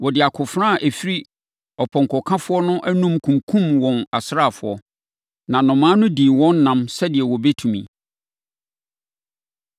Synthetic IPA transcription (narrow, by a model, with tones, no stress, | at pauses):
wɔ˨dɪ˨a˨kʰʊ˨fɾã˦˨ʔæ˨fi˦ɾi˦ | ɔ˨pʰɔ̃˨ŋ˨kʰɔ˨kʰã˦fʊ˦ɔ˦nʊ̃˦ʔæ˦nũ˦mkʰũ˨mkʰũ˦mwɔ̃˨na˨sɾa˦˨fʊ˨˦ɔ˦ | nã˨nʊ̃˨mãː˦nʊ̃˦dĩ˨wɔ̃˦nː˦ã˨msɛ˦dɪ˨ɛ˨wɔ˨bɛ˦tʰũ˨mḭ̃˨